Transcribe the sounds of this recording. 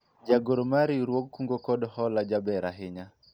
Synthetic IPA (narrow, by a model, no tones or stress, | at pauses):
d͡ʒaɡɔɾɔmaɾiɾwɔkkːuŋɡɔkɔdɔhɔlad͡ʒabɛɾaɦɪɲa